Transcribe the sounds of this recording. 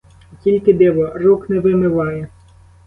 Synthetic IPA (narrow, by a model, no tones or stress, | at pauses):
kʲilʲkɪd̪ɛʋɔrɔknɛʋɪmɪʋɑjɛ